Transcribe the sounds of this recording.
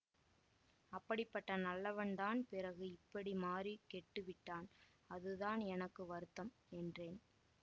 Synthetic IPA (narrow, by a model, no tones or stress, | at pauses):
ɐpːɐɽɪpːɐʈːɐnɐlːɐʋɐnd̪aːnpɪɾɐɣɯɪpːɐɽimaːrikɛʈːɯʋɪʈːaːn | ɐðɯðaːnɛnɐkːɯʋɐɾɯt̪ːɐm | ɛndreːn